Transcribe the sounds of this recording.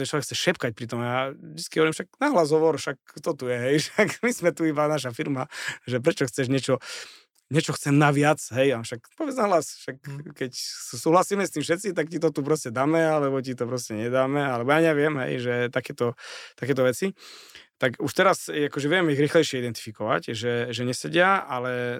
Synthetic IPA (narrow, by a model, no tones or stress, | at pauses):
ɛt͡ʃlɔʋɛkxt͡sɛʃɛpkac̚pɾit̪ɔmjaʒd̪i̥t͡sskiɦɔʋɔɾiːmʃak̚naɦlazɦɔʋɔɾʃak̚t̪ɔt̪ujɛɦɛjʃakmizmɛt̪uibanaʃ̬afiɾmaʒɛp̬ɾɛt͡ʃɔxt͡sɛʒɲɛt͡ʃɔ | ɲɛt͡ʃɔxt͡sɛmnaʋɪat͡sɦɛjafʃakpɔʋjɛd͡znaɦlasʃakːɛcsuːɦlasiːmɛst̪iːmfʃɛt̪t͡sit̪akcit̪ɔt̪up̬ɾɔscɛd̪aːmɛalɛbɔcit̪ɔpɾɔscɛɲɛd̪aːmɛalɛbɔjaɲɛʋɪɛmɦɛ̰jʒɛt̪akɛːt̪ɔt̪akɛːt̪ɔʋɛt͡sit̪akuʃt̪ɛɾasakɔʒɛʋɪɛmɛiɣɾiːxlɛjʃɪɛid̪ɛnt̪i̥fikɔʋa̰cʒɛʒɛɲɛsɛɟɪaalɛ